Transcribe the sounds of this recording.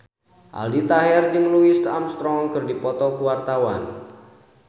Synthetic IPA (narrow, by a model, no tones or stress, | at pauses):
ʔa̰ldit̪aɦɛrd͡ʒɨŋluɪst̪amst̪ɾɔŋkɨrdipɔt̪ɔkuwart̪awan